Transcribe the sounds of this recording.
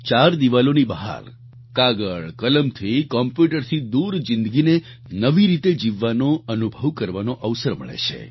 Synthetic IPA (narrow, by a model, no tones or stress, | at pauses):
t͡ʃaɾd̪iʋalonibəɦa̰ɾ | kaɡəɭkələmt̪ʰikɔmpjuʈəɾt̪ʰid̪uɾd͡ʒɪ̃nd̪əɡine | nəʋiɾit̪ed͡ʒiʋːanoənubʱəʋkəɾʋanoʔəʋsəɾmə̰ɭḛt͡ʃʰḛ